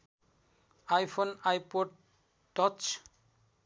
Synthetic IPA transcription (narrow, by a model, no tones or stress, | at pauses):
ajpʰonajpoɖ | ʈɔt͡ʃ